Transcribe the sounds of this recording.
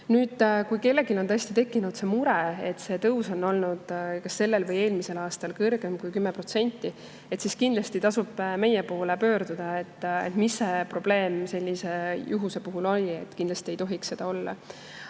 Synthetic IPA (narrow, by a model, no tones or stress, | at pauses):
nyːd̪̥kujke̞lːe̞ɡilo̞nt̪ɤjsʲt̪it̪e̞kːinud̪̥se̞muɾee̞t̪se̞t̪ɤuso̞nːo̞lnud̪̥kɑsːe̞lːe̞lvɤje̞ːlmise̞lɑːst̪ɑlkɤrɡ̥e̞mkujkymːepro̞t̪se̞nʲt̪ˑːi | et̪siskind̪lɑst̪it̪ɑsub̥me̞jepo̞ːle̞pø̞ːɾd̪̥ud̪̥ɑet̪ːḛt̪mise̞pro̞b̥le̞ːmse̞lʲːise̞juɦuse̞puɦulo̞lʲiḛt̪ːˑkind̪lɑst̪ie̞jt̪o̞ɦiksse̞d̪̥ɑo̞lːɑ̰